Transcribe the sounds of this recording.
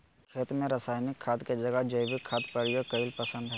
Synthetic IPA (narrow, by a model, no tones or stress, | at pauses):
kʰeːt̪mẽɾəsaːɪnɪkʰːaːt̪ked͡ʒɐɡəd͡ʒobʱikʰːaːt̪pɐɾɪjokɐɪlpəsə̃nd̪ɦɛ